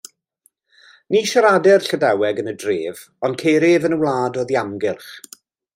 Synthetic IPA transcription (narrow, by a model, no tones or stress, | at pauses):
niːʃaɾadɛrɬədawɛɡənədreːv | ɔndkʰeːɾɪvənəwlˠaːdɔðiamɡɪlˠχ